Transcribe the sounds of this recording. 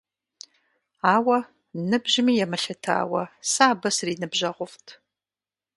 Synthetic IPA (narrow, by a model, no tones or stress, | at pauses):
aːwɐ | nɨbʑɪmiːjɛmɨɬɐtʰa̰ːwɐsaːbɐsriːnɨbʑɐʁʷʊftʰ